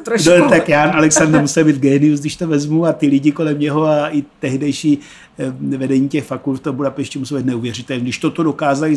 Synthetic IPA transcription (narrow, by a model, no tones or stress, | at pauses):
not̪akjaːnalɛksand̪ɛɾmusɛlbiːt̪ɡɛːnɪusɡdɪʃt̪ovɛzmuat̪ɪlɪɟɪko̞lɛmɲɛɦo̞aʔɪt̪ɛɦdɛjʃiː | vɛdɛɲiːcɛxfakult̪ft̪obudapɛʃcɛmusɛlbiːt̪nɛuːvjɛr̝ɪt̪ɛlɲidɪʃt̪o̞t̪odo̞kaːzalɪ